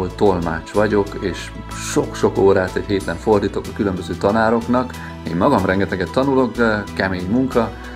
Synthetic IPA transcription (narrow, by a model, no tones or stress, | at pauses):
ot̪o̞lma̰ːt͡ʃʋɒɟo̞keːʃ | ʃokʃo̞koːɾaːt̪ɛcɦeːt̪lɛɱfo̞rd̪iːt̪o̞kɒkylø̞mbøzøːt̪ɒnaːɾo̞knɒk | ḛːmmɒɡɒmrɛŋɡɛt̪ɛɡɛt̪ːɒnulo̞kkɛmeːɲmuŋkɒ